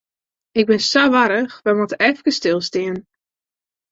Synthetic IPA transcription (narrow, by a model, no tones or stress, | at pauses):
ɪɡ̚bɪnsaʋaɾəxʋɛmɔtəʔɛfkəstɪlˠstiən